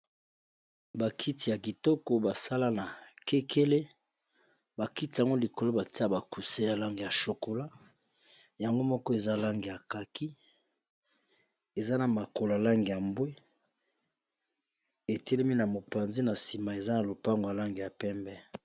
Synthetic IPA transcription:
ba˨kʰi˦ti˨ja˨ki˨tɔ˦ko˨ba˨sa˦la˦na˨ke˦kʰe˦le˦ | ba˨ki˦ti˨a˨ŋɡo˦li˨ko˨lo˦ba˨ti˦a˦ba˨ku˨se˦ja˨la˦ŋɡe˨ja˨ʃo˨ko˨la˦ | ja˨ŋɡo˦mɔ˦kɔ˦e˨za˦la˦ŋɡe˨ja˨ka˨ki˦ | e˨za˦na˨ma˨ko˨la˨la˦ŋɡe˨ja˨mbwe˦ | e˨tɛ˦le˦mi˦na˨mo˨pa˨nze˦na˨si˨ma˨e˨za˦na˨lo˨pa˦ŋɡo˨ja˨la˦ŋɡe˨ja˨pɛ˦mbɛ˦

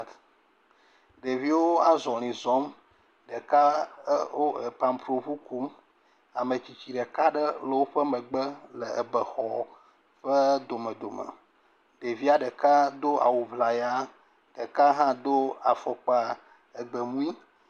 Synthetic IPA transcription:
ɖe˨vi˦wo˦a˦zɔ˨l̃ĩ˨zɔ˦m | ɖə˨ka˦wo˦e˨pa˨mpɾo˨ɸu˦ku˦m | a˨mə̃˨t͡ɕi˨t͡ɕi˨ɖə˨ka˦ɖə˦lə˨wo˦ɸə˦mə̃˨ɡ͡bə˦lə˨ə˨bə˨xɔ˨ | ɸə˦d̪o˨mə̃˨d̪o˨mə̰˨ | ɖe˨vi˦a˨ɖə˨ka˦d̪o˦a̰˨wu˨vla˨ja˦ | ɖ̥ə˨ka˦ɦã˦d̪o˦a˨fɔ˨k͡pa˦ | ə˨ɡ͡bə˨mũ˦i˦

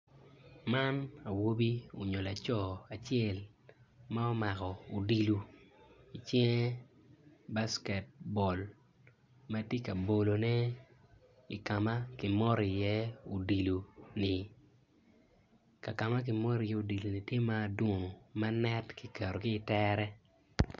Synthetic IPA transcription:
ma˦na˨wo˦bi˦o̰˨ɲo˨la˨t͡ʃɔ˦˨a˨t͡ʃɛ˦˨lma˦ɔ˦ma˨kɔ˨u˨di˨lu˨ | i˨t͡ʃɛ˦ŋ˦ | ba˦skɛ˨t̚bɔ˨l | ma˦tje˦ka˨bo˨lo˨nɛ˦ | i˨ka˨ma˦kɪ˨mɔ˦ɾjɛ˦u˨di˨lu˨nɪ˨ | ka˨ka˨ma˦k̬ɪ˨mɔ˦ɾɪ˨jɛ˦u˨di˨lu˨ni˨tje˦maː˦˨dwo˦ŋo˨ma˦nɛ˦tki˨kɛ˨ɾo˨ɡɪː˦˨tɛɾɛ˦

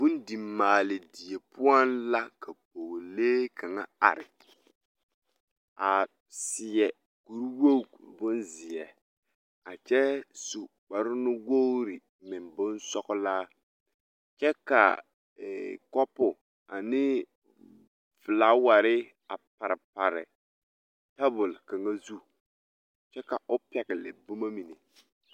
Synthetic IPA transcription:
bʊ˦n˦di˨mːaː˨lɪ˨di˨je˨pʰʊ˦a˦nla˦kʰa˨k͡po˨ɣleː˦kʰa˨ŋa˦a̰˨ɾɪ˨ | a˨ | sɪ˨ɛ˨ | ɡ̥u˨ɾwo˦˨bʊ˦nzɪ˨ɛ˨ | a˨t͡ʃɛ˦su˨ | k͡pa˨ɾʊ˦nʊ˦wo˦ɾɪ˨ | mɪ˨nbʊ˦nsɔ˦kʊ˦laː˦ | t͡ʃɛ˦ka̰˨ | kɔ˦pʊ˨ | a˨nɪ˦ | vɪ˨laː˦wa˨ɾɪ˦ | a˨pa˨ɾɪ˨pa˨ɾɪ̰˨ | ta˦bʊ˨lka˨ŋa˦zu˦ | t͡ʃɛ˦ka˨ʔʊ˦pɛ˨ɡɪ˨lɛ̰˨bʊ˦ma˦mi˨ne˨

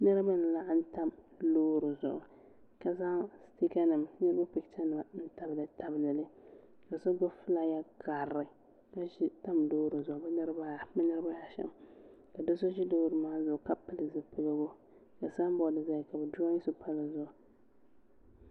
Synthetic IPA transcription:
nɨ˦ɾɨ˦ba˦n̩˨la˦ʔa˦n˦ta˦m | loː˦ɾɨ˨zʊ̰˨ʔʊ˨ | ka˨za˦sti˦ka˦nɨ˨mnɨ˦ɾɨ˦ba˦pɪ˨kt͡ʃa˦nɨ˨a˨n̩˦ta˨bɨ˨lɨ˨ta˨bla˨lɨ˦ | ka˨so˦ɡʊ˦fɨ˦la˨ja˦ka˨ɾɪ˨ | ka˦ʒi˦ta˦mdoː˦ɾɨ˨zʊ˨ʔʊ˨bɛ˦nɨ˦ɾɨ˦ba˦˨bɛ˦nɨ˦ɾɨ˦ba˦ja˨ʃɛ̰˦˨mka˨do˦so˦ʒi˦doː˦ɾɨ˨maː˦zʊ˨ʔʊ˨ka˦pɨ˨lɨ˨zɨ˦pɨ˦˨ɡa˦bo˦ | ka˨sa˦m˦bɔ˦˨dɨ˨za˦˨ka˨bɛ˨du˦a˦ɲɪ˦so˦pa˦la˨zʊ˦˨ʔʊ˨

